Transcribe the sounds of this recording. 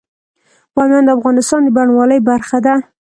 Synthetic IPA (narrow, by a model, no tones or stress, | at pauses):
w̪ɑmjɑnd̪əafɣɑnɪst̪ɑnd̪əbaɳwɑləjbaɾxad̪a